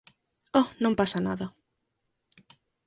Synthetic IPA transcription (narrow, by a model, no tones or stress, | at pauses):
ɔnõmpasana̰ðɐ